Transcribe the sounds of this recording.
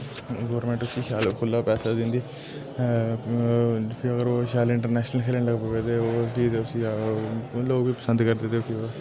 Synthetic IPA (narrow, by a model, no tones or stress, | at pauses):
ɡoːɾmẽːɳʈʊsiːʃaːlkʰʊlːapɛːsad̪ɪ̃nd̪iː | pʰiəɡəɾoːʃaːlɪ̃ɳʈəɾnɛːʃnəlkʰeːlə̃ɳləɡpoʋeːd̪eoːbiːt̪eʊsi | loːɡbiːpəsə̃nd̪kəɾd̪eːt̪eʊkʰio